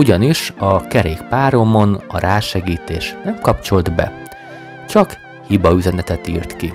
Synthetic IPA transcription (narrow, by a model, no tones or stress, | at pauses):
uɟɒniʃɒkɛɾeːkpaːɾomo̞nɒ̰ɾaːʃɛɡiːt̪eːʃnɛmkɒpt͡ʃold̪bɛ̰ | t͡ʃɒk | hibɒyzɛnɛt̪ɛt̪iːrt̪ki